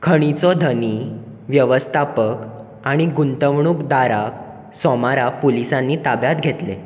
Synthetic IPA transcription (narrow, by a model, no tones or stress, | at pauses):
kʰəɽ̃it͡sɔd̪ʱəni | ʋjəʋəst̪ʰapək | aɽ̃iɡunt̪əʋɳuːkd̪aɾak | sɔmaɾapolisãnːiːt̪abjat̪ɡʱet̪le